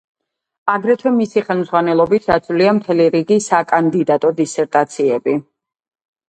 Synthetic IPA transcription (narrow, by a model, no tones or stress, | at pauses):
aɡɾɛt̪ʰwɛmisiχɛlˠmzʁwanɛlˠɔbitsd̪at̪sʰvliamt̪ʰɛliɾiɡisakʼand̪id̪at̪ʼɔd̪isɛɾt̪ʼat̪sʰiɛbi